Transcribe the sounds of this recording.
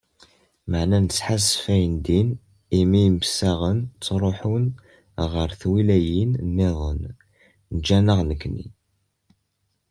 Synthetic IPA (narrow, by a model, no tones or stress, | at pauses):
məʕnænət͡sːħasfæjənd̪in | imimsːæʁənt͡sːɾˤoħun | ʁəɾθwilæjinnːeðˤə̰n | nəd͡ʒːænəʁnəkːnḭ